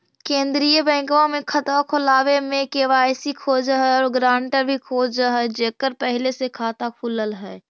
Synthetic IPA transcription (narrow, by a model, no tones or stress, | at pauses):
kẽːnd̪ɾijəbɛ̃ːŋkʋãmẽkʰət̪makʰolaːʋemẽkeːʋaːjsikʰoːd͡ʒəɦɛɔːɾɡɾãːɳʈəɾbʱikʰoːd͡ʒəɦɛd͡ʒeːkəɾpəɦɪlesekʰaːt̪akʰuːləlɦɛː